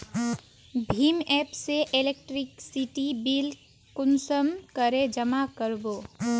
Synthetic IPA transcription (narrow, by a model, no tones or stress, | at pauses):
bʱimɛpseʔelek̚ʈɾiksiʈibil | kʊnsəmkəɾed͡ʒəmakəɾbo